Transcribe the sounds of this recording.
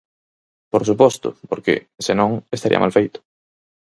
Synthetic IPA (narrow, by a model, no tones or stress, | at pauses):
poɾsupɔst̪ʊ̰poɾkɪ̰ | senõŋest̪aɾḭɐ̰mʔalfejt̪ʊ̥